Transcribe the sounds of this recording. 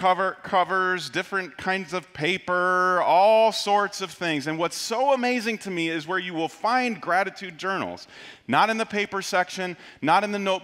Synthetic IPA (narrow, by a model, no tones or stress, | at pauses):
ʌvə˞kʰʌvə˞zdɪfɹɨ̃nkʰãɪ̃ndzʌv̥pʰeɪpə˞ɔlˠsɔɹtsʌv̥θɪ̃ŋzɨ̃nwʌtsoʊəmeɪzɪ̃ŋtʰɨmiɪzwə˞jɨwɪlˠfãɪ̃nɡɹæɾɨtʰʉd̚d͡ʒɜ˞nl̩ˠz̥ | nəɾɨ̃nðɨpʰeɪpə˞sɛkʃɨ̃nː | əɾɨ̃nðɨnoʊt̚